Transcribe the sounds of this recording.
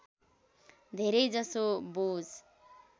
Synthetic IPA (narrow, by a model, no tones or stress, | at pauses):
d̪ʱeɾejd͡zʌsobod͡z